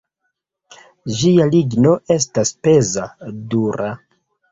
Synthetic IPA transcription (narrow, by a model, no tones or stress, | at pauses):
d͡ʒialiɡno̞e̞s̬taspe̞zaduɾa